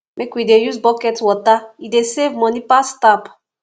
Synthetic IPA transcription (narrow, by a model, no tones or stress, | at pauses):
mekwidejuzbɔkɛtwɔtaidesevmɔ̃nipastap